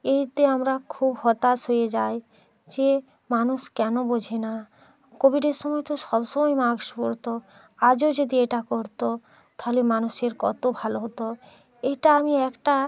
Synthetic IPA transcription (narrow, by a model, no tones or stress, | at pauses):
et̪eamɾakʰubhɔt̪asɦojed͡ʑaj | d͡ʑe | manuʃkɛnobod͡ʑʱena | kobʱiɖeɾʃɔmɔjt̪oʃɔbʃɔmɔjmaɡʃpoɾt̪o | ad͡ʑod͡ʑod̪ieʈakoɾt̪o | t̪aɦolemanuʃeɾkɔ̰t̪obʱaloɦot̪o | eʈaamiɛkʈa